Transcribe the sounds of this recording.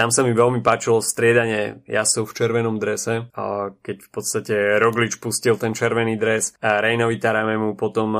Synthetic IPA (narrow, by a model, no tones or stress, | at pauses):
t̪amsamiʋɛlmipaːt͡ʃilɔst̪ɾɪɛd̪aɲɪɛjasɔʊft͡ʃɛɾʋɛnɔmd̪ɾɛsɛkɛcfpɔt̪st̪acɛɾɔɡlit͡ʃpuscilt̪ɛnt͡ʃɛɾʋɛniːd̪ɾɛsaɾɛjnɔʋit̪aɾamɛmupɔt̪ɔm